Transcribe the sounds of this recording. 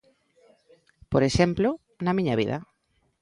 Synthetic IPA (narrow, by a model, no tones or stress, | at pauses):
poɾeʃemplo | nɐmiɲaβḭðɐ̰